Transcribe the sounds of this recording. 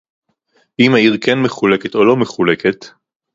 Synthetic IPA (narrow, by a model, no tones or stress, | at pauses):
imaiʁkenmeχuleket̪o̞lo̞meχuleket̪